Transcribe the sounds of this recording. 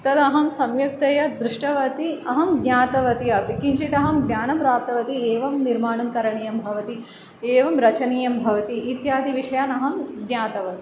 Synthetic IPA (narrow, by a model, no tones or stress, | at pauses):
t̪ɐd̪ɐɦɐmsɐmjɐk̚t̪ɐjɐd̪ɾiʂʈɐʋɐt̪iɐɦɐmɡnʲaːt̪ɐʋɐt̪iɐpikint͡ʃit̪ɐɦɐmɡnʲaːnɐmpɾaːp̚t̪ɐʋɐt̪ieːʋɐmniɾmaːɳɐmt̪ɐɾɐɳiːjɐmbʱɐʋɐt̪i | eːʋɐmɾɐt͡ʃɐniːjɐmbʱɐʋɐt̪iʔːt̪jaːd̪ʱiʋiʂɐjaːnɐɦɐmɡnjaːt̪ɐʋɐt̪i